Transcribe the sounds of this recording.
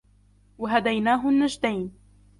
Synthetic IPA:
waɦad̪ajnaːɦʊnːad͡ʒd̪ajn

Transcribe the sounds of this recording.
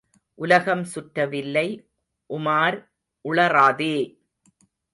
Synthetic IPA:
ʔʊlɐɣɐmsʊʈɾɐʋɪlːɐɪ | ʔʊmaːɾ | ʔʊɭɐɾaːðeː

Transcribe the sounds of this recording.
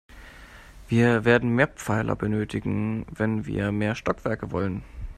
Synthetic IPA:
v̥iːɐveːɐdn̩meːɐpp͡faɪlʔɐ̰bənøːtɪɡŋ̩vɛnvḭːɐmeːɐʃtɔkv̥ɛɐkəvɔlən

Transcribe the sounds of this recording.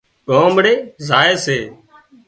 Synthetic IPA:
koːmɽeːzaːeːseː

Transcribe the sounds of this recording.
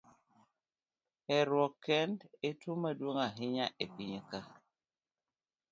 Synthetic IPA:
ɛɾwɔkːɛndetumadwoŋaɦɪɲaʔepiɲeka

